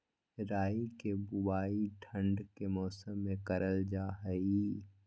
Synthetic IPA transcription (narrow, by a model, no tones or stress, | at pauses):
ɾaːikebʊbaːiʈʰə̃ɳɖkemɔːsəmːẽkəɾəld͡ʒaːɦəi